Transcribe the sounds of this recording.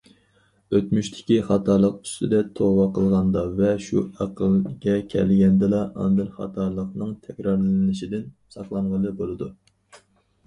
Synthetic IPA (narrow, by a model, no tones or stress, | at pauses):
øt̪myʃt̪ʰɪ̥kʲiχɑt̪ʰɑlˠəq̚y̥st̪ɪd̪ɛt̪ʰowɑqʰəlˠʁɑnd̪ɑvɛʃṵɑqʰəlˠɡʲɛkʲʰɛ̰lɡʲɛnd̪ɨlɑʔɑ̰nd̪ɨnχɑ̰t̪ʰɑlˠəqnɨŋt̪ʰɛkʲɾɑɾlnɪʃid̪ɪn | sɑqlˠɑɴʁəlˠɨbolˠɨd̪u